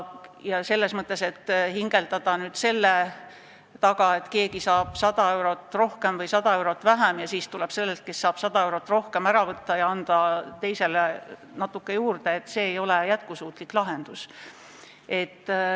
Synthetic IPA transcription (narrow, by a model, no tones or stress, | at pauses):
jɑse̞lːe̞smɤt̪ːˑe̞se̞t̪ːhiŋɡ̥e̞lt̪ɑd̪̥ɑnyːd̪̥se̞lːe | t̪ɑɡɑe̞t̪ke̞ːɡisɑːb̥sɑd̪̥ɑe̞wɾo̞t̪ːˑro̞hke̞mvɤjsɑd̪̥ɑe̞wɾo̞t̪ːˑvæɦæmjɑsiːst̪ule̞b̥se̞lːelt̪̚ke̞sːɑːb̥sɑd̪ɑe̞wɾot̪ːˑro̞hke̞mæɾɑvɤt̪ːɑjɑɑnd̪̥ɑt̪e̞jse̞le | nɑt̪ːˑukːe̞juːrd̪e̞ːt̪ːse̞ːejo̞le̞jæt̪kusuːt̪ˑliklɑɦe̞nd̪̥us | e̞t̪ː